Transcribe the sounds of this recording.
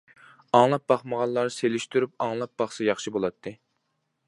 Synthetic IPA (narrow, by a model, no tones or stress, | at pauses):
ɑŋlˠɑp̚b̥ɑχməʁɑlˠːɑɾselyʃt̪yɾypɑŋlˠɑp̚b̥ɑχsɨjɑχʃibolˠɑt̪ʰːɨ